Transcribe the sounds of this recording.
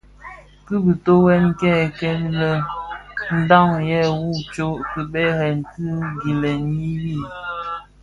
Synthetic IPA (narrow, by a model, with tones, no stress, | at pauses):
kɨ˦bi˨to˦wɛ˦nkɛ˦˨kɛ˦lə˦ | n̩˦da˦˨ŋjɛ˦wu˦˨t͡ʃo˦ki˨bɛ˦ɾɛ˨n˨tɨ˦ɡi˨lɛ˨ni˦wi˦˨